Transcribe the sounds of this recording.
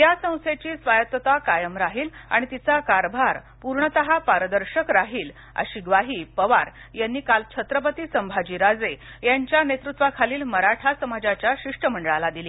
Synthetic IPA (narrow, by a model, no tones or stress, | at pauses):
jasə̃w̃set͡ɕiːsʋajət̪ʋət̪akajəmɾaɦiːla̰ɽ̃it̪it͡sakaɾbʱaɾ | puɾɳət̪əɦapaɾəd̪əɾɕəkɾaɦiːl | ə̰ɕiɡʋaɦiːpəʋaɾ | janːiːkalt͡ɕʰət̪ɾəp̬ət̪isəmbʱad͡ʑiːɾad͡zejaɲt͡ɕjanet̪ɾut̪ʋakʰaliːlməɾaʈʰasəmad͡ʑat͡ɕjaɕiʂʈəm̤əɳɖəɭalad̪ili